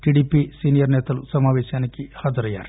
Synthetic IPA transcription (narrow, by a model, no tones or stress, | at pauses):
ʈiɖiːpisiːnijɐɾnɛːt̪ɐlusɐmaːʋɛːʃaːnikːihaːd͡zɐɾɐja̰ːɾi